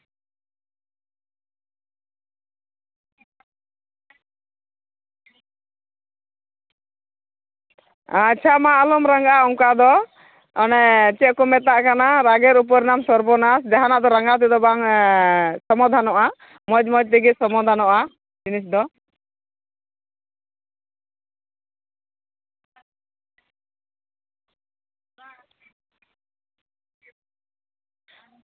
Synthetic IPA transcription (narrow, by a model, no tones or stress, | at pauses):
at͡ʃʰamaʔlumɾaŋɡaʔaɔŋkad̪ɔ | ɔnɛt͡ʃɛʔ̚kɔmɛt̪aʔkanaɾaɡɛɾup̬ɔɾnamsɔɾbɔnasd͡ʒaɦanaʔd̪ɔɾaŋɡat̪̬ɛd̪ɔbaŋ | sɔmɔd̪ʱanɔʔa | mɔd͡ʒmɔd͡ʒt̪ɛɡisɔmɔd̪ʱanɔʔa | d͡ʒinisd̪ɔ